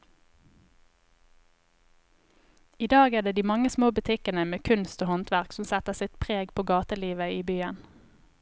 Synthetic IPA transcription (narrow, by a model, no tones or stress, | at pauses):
iːd̪ɑːɡeːd̪eːd̪iːmɑŋəsmoːbʉt̪ʰɪkənəmeːkʰʉnst̪oːhɔnt̪ʰʋæʁksɔmsɛt̪əʁsɪt̪pʰʁeːɡpʰoːɡɑːt̪əliːʋəiːbyːən